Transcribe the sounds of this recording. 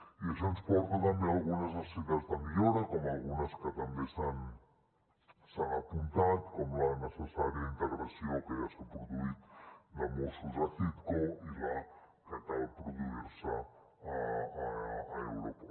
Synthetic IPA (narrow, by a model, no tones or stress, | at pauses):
iaʒanspwɔkuðaɾmealˠɣunazasiðazðamioɾakomalˠɣunɐskət̪ambesan | saŋapunt̪at̪komlanəsəsaɾjaint̪əɣɾasjokejasapɾuðuit̪lamosuzaθit̪koila | kət̪aðpɾuðuiɾsəː | ḛwɾopa